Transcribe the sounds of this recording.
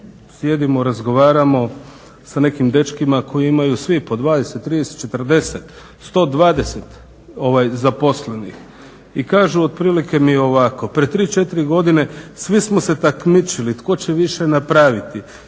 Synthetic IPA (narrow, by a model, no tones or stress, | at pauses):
sje̞d̪imoɾazɡo̞ʋaːɾamo̞ | sane̞kimd̪e̞t͡ʃkimako̞jiimajusʋipo̞d̪ʋaːd̪eset̪ːɾid̪eset̪t͡ʃe̞t̪r̩d̪e̞set̪ | st̪o̞ːd̪ʋaːd̪e̞se̞t̪ | o̞ʋajzapo̞sle̞nḭx | ikaːʒuod̪̚pɾiːlike̞mio̞ʋako̞pɾet̪ːɾiːt͡ʃe̞t̪iɾiɡo̞d̪ine̞sʋismose̞t̪akmit͡ʃilit̪ko̞t͡ɕe̞ʋiʃe̞napɾaːʋit̪i